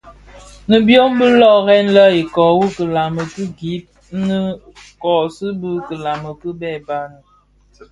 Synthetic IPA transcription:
nə˨bjo˦m˦bə˦lɔ˦˨ɣɛ˦n̩˦lə˦i˨kɔ˨wu˦kə˨la˨mə˨kə˦ɡi˨˦p̚ | nə˦ | kɔ˨sə˦bə˦kə˨la˨mə˨kə˦bɛ˦˨ba˦nə˨

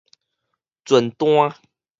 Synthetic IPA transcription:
t͡swə˨˩nt̪w̃a˦

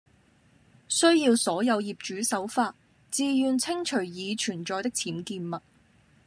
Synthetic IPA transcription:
sɵ˥ɥjiː˧wsɔː˨˥jɐ˨˧wjiː˨˩p̚t͡ʃyː˨˥sɐ˨˥wfaː˧t̚ | t͡siː˨˧jyː˨nt͡sʰɪ˥ŋt͡ʃʰɵ˨˩ɥjiː˨˧t͡ʃʰyː˨˩nt͡ʃɔː˨jt̪ɪ˥k̚t͡sʰiː˨˥mkiː˧nmɐ˨t̚

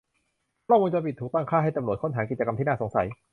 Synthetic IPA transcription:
klɔ˥˩ŋkuː˧ŋt͡ɕa˧˩pi˨˩t̪ʰːuː˨˩kt̪aː˥˩ŋkʰaː˥˩ɦa˥˩jt̪a˧mnu˨˩t̪̚kʰnt̪aː˩˦mki˨˩tt͡ɕa˧ka˧mt̪ʰiː˥˩naː˥˩so˩˦ŋsa˩˦j

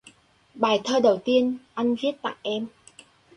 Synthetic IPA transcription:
ɓaː˧˩jt̪ʰəː˧ɗə˨˩wt̪i˧ənʔa˧jŋ̟vi˦˥ət̚t̪a̰ː˧˨ŋʔɛ˧m

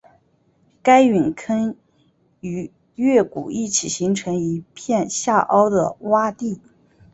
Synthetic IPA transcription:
ka˥ɪy˨˩nkʰə˥n | y˨˧˩ | ɥɛ˥˩kṵ˨˩i˥˩t͡ɕʰi˨˩ɕi˧˥ŋʈ͡ʂʰɤ˧˥ŋi˧˥pʰjɛ˥˧nɕja˥˩ʔɑ˥ʊd̪ə̰˨wa˥t̪i˥˩

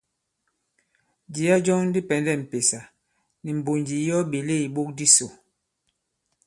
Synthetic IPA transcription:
d͡ʒi˨˦a˦d͡ʒɔ˦ŋ˦di˦pɛ˨ndɛ˦˨m̩˨pe˨sa˨ | ni˨m̩˨bo˨nd͡ʒi˨˦jɔ˦ɓe˨le˦˨i˨ɓo˦k̚di˦so˨

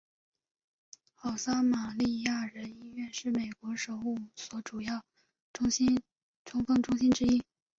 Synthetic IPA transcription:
xɑ˨˩ʊsa˥ma˨˩li˥˧ja˥˩ɻə˧˥ni˥ɥɛ˥˧nʂɻ̩˥˩me˨˩ɪkwɔ˧˥ʂo˨˩ʊu˥˩swɔ˧˥ʈ͡ʂu˨˩jɑ˥˩ʊ˥ | ɕ | ʈ͡ʂʰʊ˧˥ŋfɤ˥˩ŋʈ͡ʂʊ˥ŋɕi˥nʈ͡ʂɻ̩˥i˥˩

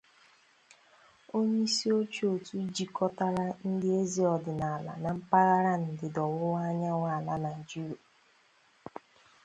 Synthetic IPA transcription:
o˦ɲe˦i˦si˦o˦t͡ʃu˦o˨tu˦d͡ʒi˨kɔ˦ta˦ɾa˦n̩˦dɪ˦e˦zi˨ɔ˨dɪ˨na˨a˨la̰˨na˨m̩˦pa˦ɣa˦ɾa˦n̩˨dɪ˨dɔ˨wʊ˦wa˦ɲa˦ŋʷa˦˨la˦na˨d͡ʒu˦˨

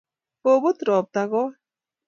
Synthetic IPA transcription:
o˨bo˦t̪ɾɔː˨p̚t̪a˨ɣɔ˦

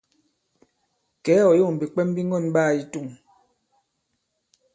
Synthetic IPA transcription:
kɛ˨˦ɔ˨jo˦˨m̩˨bi˨k͡pɛ˦m˦bi˦ŋ˦ɡɔ˦˨nɓaː˦˨i˨tu˦˨ŋ

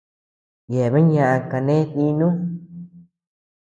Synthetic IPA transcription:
je˨βe˦ɲã˧˨ʔa˧ka˧nẽ˦t̪i˧nũ˦

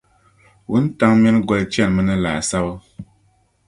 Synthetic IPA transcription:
wu˦n˦ta˦ŋmɛ˦nɡɔ˦lt͡ʃɛ˦nmə˦nə˦la̰˨sa˦wə˦

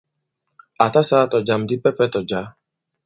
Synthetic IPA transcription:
a˨ta˦sa˦˨tɔ˨d͡ʒa˨m̩˨dɪ˦pɛ˦pɛ˦tɔ˨d͡ʒa˨˦

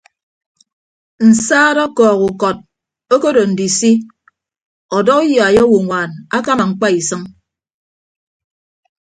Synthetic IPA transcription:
n̩˨saː˦ɾɔ˦kɔː˨ku˨kɔ˨t̚ | o˦ko˦do˨n̩˨di˨si˦ | ɔ˨dɔ˦ki˦ja˨a˨jɔ˦wo˨ŋʷaː˨na˦ka˦ma˨ŋ͡m̩˨k͡pa˦i˨sɨ˦ŋ

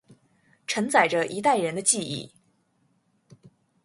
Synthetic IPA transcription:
ʈ͡ʂʰə˧˥ŋt͡sa˨˩ɪʈ͡ʂə˦ʔi˧˥t̪a˥˩ɪɻə˧˥nd̪ə˧t͡ɕi˥˧ḭ˥˩

